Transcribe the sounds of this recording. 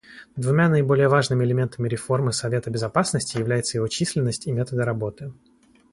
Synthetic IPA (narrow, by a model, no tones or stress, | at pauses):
d̪vʊmʲanəɪbo̞lʲɪjəvaʐnɨmʲɪɪlʲɪmʲe̞nt̪əmʲɪɾʲɪfo̞rmɨsɐvʲe̞t̪əbʲɪzɐpasnəsʲtʲɪjɪvlʲæjɪt̪səjɪvo̞t͡ɕisʲlʲɪnːəsʲtʲimʲe̞t̪əd̪əɾɐbo̞t̪ɨ